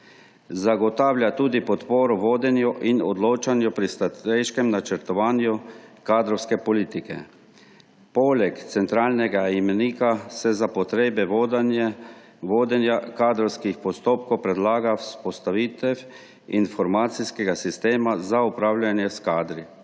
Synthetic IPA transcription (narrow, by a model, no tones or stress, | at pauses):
zaɡɔt̪aːwljat̪uːd̪ipɔt̪poːɾɔʋoːd̪ɛnjɔʔinɔd̪loːt͡ʃanjupɾist̪at̪ɛjʃkɛmnat͡ʃɛɾt̪ɔʋaːnjukaːd̪ɾɔwskɛpɔliːt̪ikɛ̰ | pɔːlɛkt̪sɛnt̪ɾaːlnɛɡaimɛniːkasɛzapɔt̪ɾeːbɛʋod̪nɛ | ʋoːd̪ɛnjakaːd̪ɾɔwskixpɔst̪oːp̚kɔwpɾɛd̪laːɡawspɔst̪aʋiːt̪ɛw | infɔɾmaːt̪siskɛɡasist̪eːmazaupɾaːwlʲjanjɛskaːd̪ɾi